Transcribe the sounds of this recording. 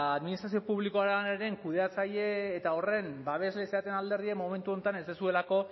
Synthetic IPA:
aðminist̪ɾasio̞puβliko̞aɾneɾe̞ŋkuðe̞at͡saʎe̞ːt̪ao̞re̞mbaβ̞e̞zle̞seat̪e̞nald̪e̞rie̞mo̞me̞nt̪uo̞nt̪ane̞zd̪e̞sue̞lako̞

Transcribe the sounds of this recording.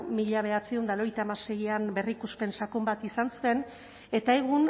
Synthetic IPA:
miʎaβ̞e̞at͡siund̪aloɾejt̪aːmase̞jiambe̞rikuspe̞nsakumbat̪isansue̞n | e̞t̪ae̞ɣun

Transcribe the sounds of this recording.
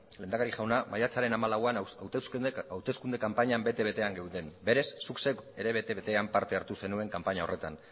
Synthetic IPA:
le̞nd̪akaɾiʝawnamajat͡saɾe̞namalawanaw̪awt̪e̞skund̪e̞kampaɲambe̞t̪e̞βe̞t̪e̞aŋɡewðe̞mbe̞ɾe̞sːukseke̞ɾe̞βe̞t̪e̞βet̪e̞ampaɾt̪e̞aɾt̪use̞nue̞ŋkampaɲao̞re̞t̪an

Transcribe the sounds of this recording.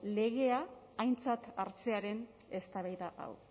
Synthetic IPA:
le̞ɣe̞aː | jnt͡sat̪aɾt͡se̞aɾe̞n | e̞st̪aβajðaʔa̰w

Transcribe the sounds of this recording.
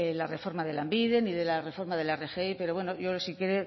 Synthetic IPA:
elare̞fo̞ɾmaðe̞lambiðe̞niðe̞lare̞fo̞ɾmaðe̞larexeipe̞ɾowe̞noʝo̞sikjeɾe

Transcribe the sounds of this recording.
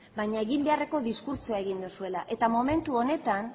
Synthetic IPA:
bajɲae̞ɣimbe̞are̞ko̞ðiskuɾt͡suae̞ɣ̞ind̪usue̞laʔe̞t̪amo̞me̞nt̪uo̞ne̞t̪an

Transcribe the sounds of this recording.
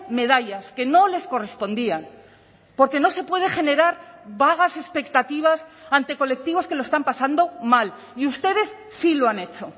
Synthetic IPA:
me̞ðaʎaske̞no̞le̞sko̞re̞spo̞nd̪ian | po̞ɾke̞no̞se̞pwe̞ð̞e̞χe̞ne̞ɾaɾβaɣ̞ase̞spe̞kt̪at̪iβ̞asant̪e̞ko̞le̞k̚t̪iβo̞ske̞loe̞st̪ampasand̪o̞mal | iust̪e̞ðe̞sːiloane̞t͡ʃo̞

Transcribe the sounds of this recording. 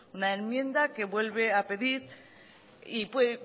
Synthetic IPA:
unaenmjẽ̞nd̪ake̞βwe̞lβe̞ape̞ðiɾ | ipwe

